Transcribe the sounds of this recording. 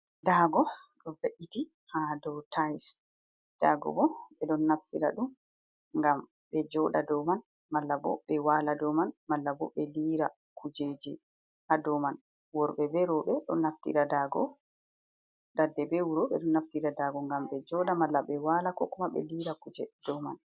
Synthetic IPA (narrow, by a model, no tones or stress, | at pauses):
daɡɔɗɔveʔiti | hadɔtʰajs | d̥aɡɔ̰bɔɓɛɗɔnːaftiɾa̰ɗum | ŋɡam | bɛd͡ʒɔɗadɔman | malːabɔ̰ɓɛwaːladɔmanmalːabɔɓɛliɾa | kud͡ʒeːd͡ʒɛ | hadɔman | wɔɾɓɛbɛɾɔɓɛɗɔnːaftḭɾadaɡɔ̰ | dadːɛbɛwuɾɔɓɛ̰ɗɔnːaftiɾadaɡɔŋɡamɓɛd͡ʒɔɗamalːaɓɛwalakɔkumaɓɛ̰liɾakud͡ʒɛd̥ɔma̰n